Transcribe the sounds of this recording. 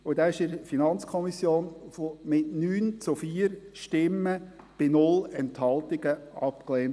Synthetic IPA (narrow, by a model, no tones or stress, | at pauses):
ʊd̥ɑːɪʃɪɾfinɑnt͡skʰɔmisjoːnfomɪtnyːnt͡sufiːɾʃtɪmːə | b̥ɪnʊlɛnthɑlˠt̪ɪɡ̥əɑ̰pkleːnt